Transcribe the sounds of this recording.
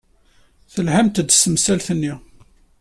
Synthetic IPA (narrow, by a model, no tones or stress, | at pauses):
θəlhamt̪d̪səmsælθənːi